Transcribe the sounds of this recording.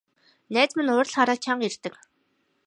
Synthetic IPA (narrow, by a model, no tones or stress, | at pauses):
næːt͡smɘ̆nʊːr̆ɮχaɾaːt͡ɕʰaɴɢir̥t̪ɘ̆k